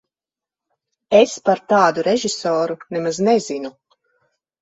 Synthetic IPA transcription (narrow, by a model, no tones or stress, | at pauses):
espaɾt̪aːd̪uɾeʒisɔːɾunɛmaznɛzinu